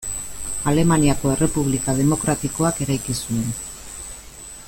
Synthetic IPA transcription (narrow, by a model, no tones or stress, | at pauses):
ale̞maniako̞e̞re̞puβ̞likað̞e̞mo̞kɾat̪iko̞ake̞ɾajkisue̞n